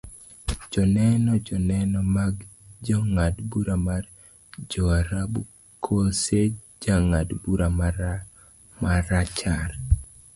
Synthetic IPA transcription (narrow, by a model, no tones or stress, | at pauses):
d͡ʒɔnɛnɔd͡ʒɔnɛnɔmaɡd͡ʒɔŋadbuɾamar | d͡ʒɔaɾabu | kʰose | d͡ʒaŋadbuɾama | maɾat͡ʃar